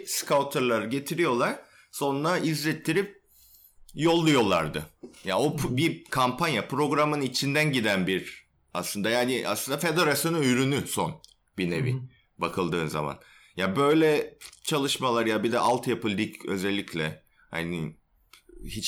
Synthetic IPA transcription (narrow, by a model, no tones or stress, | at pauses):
skʰawt̪ʰaɾlˠaɾɯɟe̞t̪ʰiɾijo̞lˠaɾ̥ | so̞nnaizlʲɛt̪ʰːiɾip̚ | jo̞lˠːujo̞lˠa̰ɾd̪ɯja̰opbikʰampʰanjapʰɾo̞ɡɾamɯnit͡ʃʰind̪ænɟid̪ænbiɾ | aslˠɯnd̪ajaːnɪʔa̰slˠɯnd̪afe̞d̪e̞ɾasjo̞nuyjɾynyson | binevḭ | bakʰɯlˠd̪ɯːnza̰ma̰n | jabø̞jlʲɛt͡ʃʰalˠɯʃmalˠaɾjabid̪ɛʔalˠt̪japʰɯlʲd̪icʰø̞̰zɛlʲːicʰlʲɛ | ha̰ni | hit͡ʃ